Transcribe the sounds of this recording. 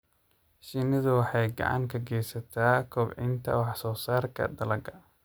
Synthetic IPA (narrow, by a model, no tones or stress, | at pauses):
ʃiːnɐðʊwɑħɑjɡɑ̰ʕɑ̰ŋkʰɐɡɛːjsɐt̪ʰaːkʰɔbʕɪ̰nt̪ʰɐ̰wɑħsɔːsaːrkʰɐ̰d̪ɐlɐɡɐ